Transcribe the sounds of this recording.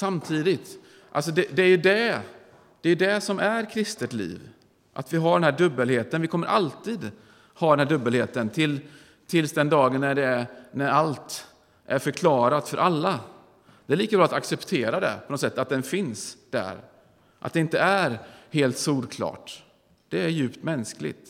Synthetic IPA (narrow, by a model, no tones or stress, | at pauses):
samt̪ʰiːd̪ɪt̪ | ʔa̰ls̬ɔd̪ɛd̪ɛæɾjɵd̪ɛ | d̪̥ɛjɵd̪ɛsɔmæɾkʰɾɪst̪ət̪lḭːv | ʔa̰t̪vɪɦaɖɛnhæːɖɵbːəlheːt̪ənvɪkʰɔmːəɾʔa̰lt̪iːd̪ | hɑːd̪ɛnhæːɖɵbːəlheːt̪ənt̪ʰɪl | t̪ʰɪlsd̪ɛnd̪ɑːɡənːæɖɛnæɾalt̪ | ʔæɾfœɾkʰlɑːɾat̪fœɾʔalːa | d̪̥ɛæɭiːkabɾɑːat̪aksɛpt̪ʰeːɾad̪ɛ̰pʰɔnɔt̪sɛt̪ːat̪̚d̪ɛnfɪnsd̪̥æ̰ɾ | ʔat̪̚d̪ɛɪnt̪əæɾheːlt̪suːɾkʰlɑ̰ːʈ | d̪̥ɛæɾjʉ̟ːpt̪mɛnsklɪ̰ɡt̪